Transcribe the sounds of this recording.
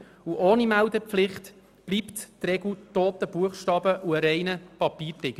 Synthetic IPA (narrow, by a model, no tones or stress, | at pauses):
uʔoːnimæwdəpflɪχt̪ | b̥liːpt̪tɾɛɡutoːt̪əb̥uəχʃtɑːbəʔuəɾɛɪnəpɑpiːɾtɪɡ̥ə